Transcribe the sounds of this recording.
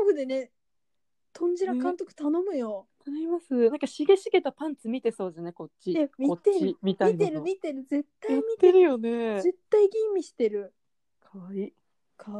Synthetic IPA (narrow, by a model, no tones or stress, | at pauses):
oɡɯd̪e̞ne | t̪ʰõ̞ɲ̟d͡ʑiɾakkãnt̪o̞kɯ̟̥t̪anõ̞mɯ̟jot̪anoimasɨnãŋkaɕiɡeɕiɡe̞t̪apãnt͡sɨmʲit̪e̞so̞ːd̪esneko̞t͡ɕːiemʲiot̪eɾimʲit̪aiieɾɯmʲit̪e̞ɾɯ̟d͡ze̞t̪ːaiimʲit̪ːeɾɯjo̞ne̞ze̞t̪ːaiɡʲĩmːʲiɕi̥t̪e̞ɾɯ̟ | kʰaβai | kʰa